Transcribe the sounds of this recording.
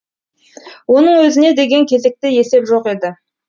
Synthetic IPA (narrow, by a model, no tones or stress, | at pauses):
wo̞nəɴwɵzɪne̞d̪e̞ɡʲe̞ŋkʲʰe̞ze̞k̚t̪ɪje̞se̞pʒo̞qe̞d̪ɪ